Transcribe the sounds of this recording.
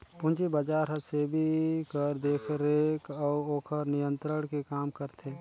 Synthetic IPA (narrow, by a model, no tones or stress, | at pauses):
pʊ̃nt͡ʃibad͡ʒaːɾɦəsebʱikəɾd̪eːkʰɾekɔːoːkʰəɾnijə̃nt̪ɾəɽkekaːmkəɾt̪ʰe